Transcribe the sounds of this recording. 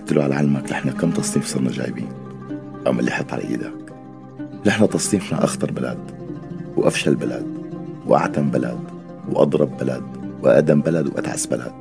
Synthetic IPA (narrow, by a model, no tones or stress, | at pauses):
t̪ːɪluʕalaʕalmaklʔɪħnakamːt̪ɑsˤniːmfsˤɑɾˤnɑʒa̰ːjbḭːn | ʔamːʔalːiħɑt̪ˤːʕa̰lʔa̰ʔḭːd̪ak | lɪħnat̪ɑsˤːiːmfna̰ʔɑxt̪ɑɾˤbala̰ːd̪ | wʔa̰fʃalbalaːd̪wʔa̰ʕt̪ambala̰d̪ | wʔɑ̰d̪ˤɾˤɑbːalad̪wʔa̰ʔd̪ambalad̪wʔa̰t̪ʕa̰sbala̰ːd̪̥̚